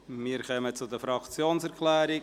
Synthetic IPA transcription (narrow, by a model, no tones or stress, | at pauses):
miːɾkœmət͡sʊdəfɾɑkt͡sjoːnsɛɾkʰlɛːɾɪ